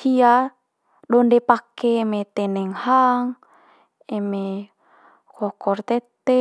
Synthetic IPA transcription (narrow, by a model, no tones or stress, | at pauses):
ia | ɗɔndɛpakɛmɛt̪ɛnɛŋhaŋ | ɛme | kɔkɔrt̪ɛt̪ɛ